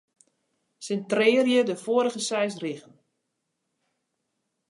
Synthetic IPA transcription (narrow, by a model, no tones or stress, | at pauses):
səntrɪːrjədəfoːəɾəɣəsɛjsriɣən